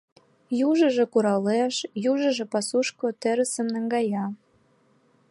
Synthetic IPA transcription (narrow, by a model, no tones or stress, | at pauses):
juʒə̆ʒĕkuɾɑleʃjuʒə̆ʒĕpɑsuʃkot̪ĕɾə̆sə̆mnə̆ŋɡɑjɑ